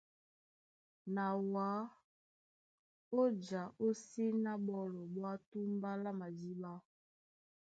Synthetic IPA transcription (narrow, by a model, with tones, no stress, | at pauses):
na˨wa˨˦ | o˦d͡ʒa˨o˦si˦na˦ɓɔ˦lɔ˨ɓwa˦tu˦mba˦la˦ma˨zi˦ba˦